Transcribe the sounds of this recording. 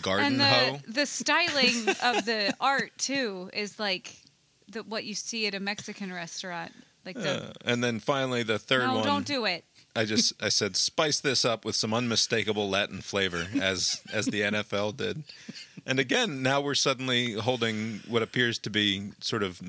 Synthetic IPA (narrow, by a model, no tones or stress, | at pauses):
ɡ̥ɑɹɨ̃n̩ðɨoʊðɨstaɪlˠɪ̃ŋʌvðiɑɹtʰʉɪzlaɪk | ðɨwʌt͡ʃɨsiɨɾɨmɛksɨkɨ̃nɹɛstɑ̃nt̚laɪkð̰ɨ̃nðɨ̃nfãɪ̃nl̩ˠiðɨθɜ˞d̚wʌ̃dõʊ̃nd̥ɨɪt̚aɪd͡ʒʌsaɪsɛd̥spaɪsðɪsʌpwɨð̥sʌ̃mʌ̃nmɨsteɪkəbl̩ˠlæʔn̩fleɪvə˞ɨzɨzðiɛ̃ñɛfɛlˠdɪ̰d̚ʔɨ̃nɨɡɛ̃nːaʊwɪɹsʌdⁿn̩liɦoʊlˠdɪ̃ŋwʌɾɨpʰɪɹz̥tʰɨbisɔɹɾʌv